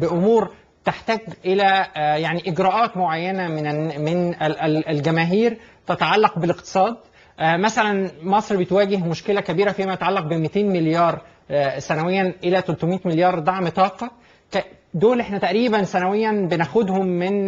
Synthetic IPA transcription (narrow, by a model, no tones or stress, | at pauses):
bɪʔomuːɾ | t̪eħt̪æːɡʔelæjaʕniʔɪɡɾæːʔɑːt̪moʕajːænæmɪnmenælɡæmæːɦiːɾt̪æt̪ɑʕɑlːɑqbeleqt̪ɨ̥sˤɑːd̪̚ | ʔmæsælænmɑsˤɾbet̪wæːɡehmoʃkelækæbiːɾæfiːmæjæt̪aʕɑlːɑq̚bemit̪eːnmɪljɑːɾˤ | sænæwejːænʔelæt̪ælt̪omiːt̪meljɑːɾˤd̪ˤɑʕmt̪ˤɑːqɑ | k | d̪oːlʔeħnæt̪æʔɾiːbænsænæwejːænbenæxod̪homːɪn